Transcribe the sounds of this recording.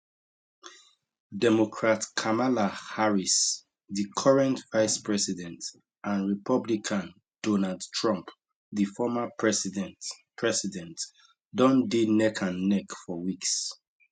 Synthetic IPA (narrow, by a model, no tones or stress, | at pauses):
dɛmokʰɹatkʰamalahaɹis | ðikʰɔɹɛ̃ntvaɪspɹɛsidɛ̃nt | ãnɹipʰɔblikʰãn | d̥ɔnaldtʰɹɔ̃mp | ðifɔmapɛsdɛ̃pʰɹɛsidɛ̃nt | dɔ̃ndenɛkʰãnːɛkfɔwiks